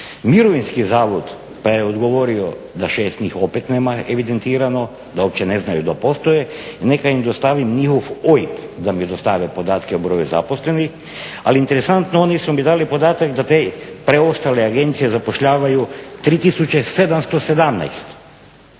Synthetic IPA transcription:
miɾoʋinskizaːʋod̪ | pajeod̪ɡoʋo̞ɾio | d̪aʃeːst̪nʲixo̞pet̪neːmaeʋid̪ent̪iːɾano | d̪aop̚t͡ɕeneznajud̪apo̞st̪ojenekaimd̪ost̪aʋimɲixoʋojipd̪amid̪ost̪aʋepo̞d̪aːt̪keubɾo̞juza̰posle̞nix | a̰liint̪eɾesant̪noonisumid̪aːlipo̞d̪aːt̪akd̪at̪epɾeo̞st̪aleaɡe̞nt̪sijezapoʃʎaːʋajut̪ɾiːt̪isut͡ɕesed̪amst̪o̞sed̪amna̰jst̪

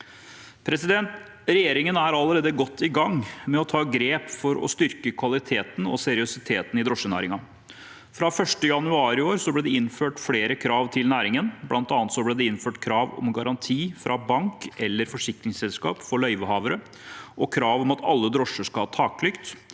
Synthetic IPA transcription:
pʰɾɛsɪd̪ɛnt̪ | ɾɛjeːɾɪŋənæɾɑlːəɾeːd̪əɡɔt̪ːɪɡɑŋmɛɔt̪ʰɑːɡɾeːpfɔɾɔ̰st̪ʏɾkəkʰʋɑlɪt̪ʰeːt̪n̩ɔ̰sɛɾɪʊsɪt̪ʰeːt̪nɪd̪ɾɔʂənæ̰ːɾɪŋɑ | fɾɑfœʂʈəjɑnʉɑːɾɪoːɾsɔblɛːd̪ɛɪnføːʈfleːɾəkʰɾɑːʋt̪ʰɪlnæːɾɪŋənblɑnt̪ɑːnət̪sɔblɛːd̪ɛɪnføːʈkʰɾɑːʋɔ̰mɡɑɾɑnt̪ʰiːfɾʔɑbɑŋkʔɛlːəɾfɔʂɪkɾɪŋsɛlskɑ̰ːpfɔɭœʏʋəhɑːʋəɾə | ʔɔkʰɾɑːʋɔmɑt̪ʰɑ̰lːəd̪ɾɔʂːəʂkɑɑt̪ʰɑːklʏkt̪

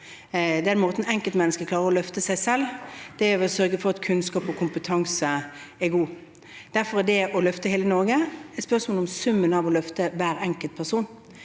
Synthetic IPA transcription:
d̪ɛæɾɛnmoːt̪n̩ɛŋkəlt̪mɛnːəskəkʰlɑːʁəɾɔlœft̪əsæɪsɛld̪̥ɛʋɛsœɾɡəfɔʁɑt̪kʰʉnskɑːpɔkʰʊmpət̪ʰɑŋsəɛɡuː | d̪̥æɾfɔɾædɛʔɔlœft̪əheːlənɔɾɡəɛt̪spœʁsmoːlɔmsʉmːənɑʋɔlœft̪əʋæːɾɛŋkəlt̪̚pʰæʁsuːn

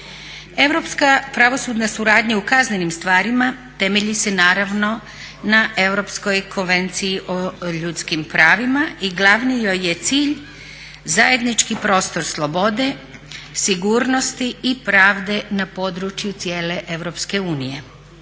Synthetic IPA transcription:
e̞ʋɾo̞pskapɾaʋo̞suːd̪nasuɾaːd̪ɲaukazne̞nimst̪ʋaːɾimat̪e̞me̞ʎise̞naːɾaʋno̞ | naʔe̞ʋɾo̞psko̞jkʰonʋe̞nt̪sijiʔoʎut̪skimpɾaːʋimaiɡlˠaʋnijoje̞t̪siːʎ | zaje̞d̪nit͡ʃkipɾo̞ːst̪o̞ɾslˠo̞bo̞d̪e̞ | siɡuːɾno̞st̪iipɾaːʋd̪e̞napo̞d̪ɾut͡ʃjut̪sje̞ːle̞ʔe̞ʋɾo̞pske̞uːnije̞

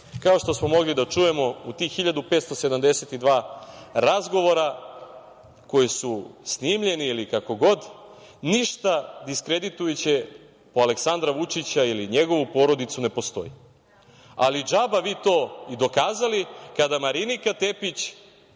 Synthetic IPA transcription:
kao̞ʃt̪o̞smomo̞ɡlid̪at͡ʃuje̞mo̞ut̪ixiʎad̪upe̞ːt̪st̪o̞se̞d̪amd̪e̞set̪id̪ʋaːɾazɡo̞ʋo̞ɾa | ko̞jisusnimʎe̞niilikako̞ɡo̞d̪ | niʃt̪ad̪iskɾe̞d̪it̪ujet͡ɕe̞ | po̞ale̞ksand̪ɾaʋut͡ʃit͡ɕailiɲe̞ɡo̞ʋupo̞ɾo̞d̪it̪sune̞po̞st̪o̞̰ji | a̰lid͡ʒabaʋiːt̪o̞ːid̪o̞kaːzalikad̪amaɾinikat̪e̞pit͡ɕ

